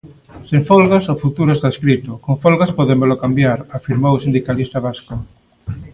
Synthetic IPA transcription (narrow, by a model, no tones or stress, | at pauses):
sẽɱfolɣasofut̪uɾoest̪aeskɾit̪okoɱfolɣaspɔðembelokambjaɾafiɾmowosind̪ikalist̪aβasko